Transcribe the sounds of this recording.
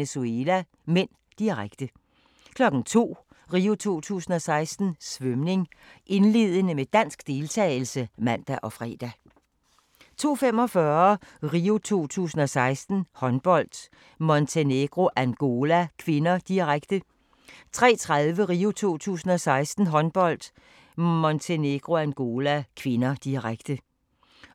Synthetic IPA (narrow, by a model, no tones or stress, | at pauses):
esuelæ | men̰ | d̥iʁaɡ̥d̥ə | kʰlɒ̽ɡ̥n̩t͡sʰo̝̰ː | ʁiːot͡sʰo̝̰ːt͡sʰṵːsn̩ɒ̽sɑ̈ɪsd̥n̩sʋœmne̝ŋʔe̝nle̝ð̰ˠənəmed̥æn̰sɡ̥d̥e̝lt͡sʰɛ̰ːɪl̩səmæn̰d̥æʔɒ̽fʁɛ̰ːd̥æ | t͡sʰo̝̰ːfem̰ɒ̽fɶɐʁiːot͡sʰo̝̰ːt͡sʰṵːsn̩ɒ̽sɑ̈ɪsd̥n̩hɒ̽nb̥ɒ̽l̰d̥ | mɒ̽nt͡sʰeneɡ̥ʁo̝ʔænɡ̥o̝ːlækʰʋe̝nɐd̥iʁaɡ̥d̥ə | t͡sʰʁɛ̰ːt͡sʰʁaðˠʋəʁiːot͡sʰo̝̰ːt͡sʰṵːsn̩ɒ̽sɑ̈ɪsd̥n̩ɦɒ̽nb̥ɒ̽l̰d̥ | mɔnt͡sʰene̝ɡ̥ʁo̝ænɡ̥o̝ːlækʰʋe̝nɐd̥iʁaɡ̥d̥ə